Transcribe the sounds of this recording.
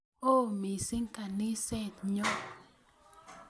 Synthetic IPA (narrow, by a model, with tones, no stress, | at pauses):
o˦˨mi˨si˦ŋka˨ni˦sɛ˦˨t̪ɲɔ˦